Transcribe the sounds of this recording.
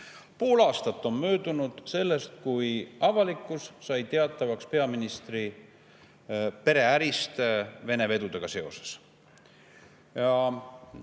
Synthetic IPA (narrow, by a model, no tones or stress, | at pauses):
poːlɑːst̪ɑt̪ˑːo̞nmøːd̪̥unud̪̥se̞lːe̞st̪̚kujɑvɑlikˑːusːɑjt̪e̞ɑt̪ːˑɑvɑkspe̞ɑminist̪ri | pe̞ɾe̞æɾist̪ve̞ne̞ve̞d̪ud̪e̞ɡ̥ɑse̞o̞̰se̥s | jɑ